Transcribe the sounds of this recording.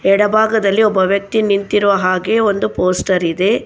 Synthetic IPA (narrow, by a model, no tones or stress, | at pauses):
ɛɽɐbʱaːɡɐd̪ɐlːiɔbːɐʋjɐk̚t̪inint̪iɾuʋɐɦaːɡe̞ːond̪upoːsʈɐɾid̪e̞